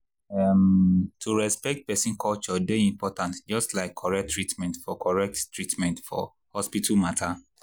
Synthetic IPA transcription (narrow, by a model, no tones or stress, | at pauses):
ɛmtʰuɹɛspɛk̚t̚pɛsĩnkʰɔlt͡ʃɔdeĩmpɔtʰãntd͡ʒɔstlaɪkʰːɔɹɛk̚tʰːɹitmɛ̃ntfɔkʰɔɹɛk̚ttːɹitmɛ̃ntfɔ̰ | hɔspitʰamatʰa